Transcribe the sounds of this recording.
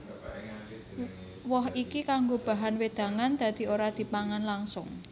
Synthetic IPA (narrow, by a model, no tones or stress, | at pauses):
wɔhikikaŋɡob̥a̤ɦanwed̪̥ä̤ŋand̪̥a̤d̪̥i̤oɾad̪̥i̤paŋanlaŋsʊ̰ŋ